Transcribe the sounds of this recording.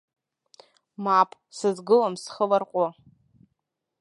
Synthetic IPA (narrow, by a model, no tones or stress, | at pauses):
mapʼ | sɨzɡɨlamsχəlarqʷʼa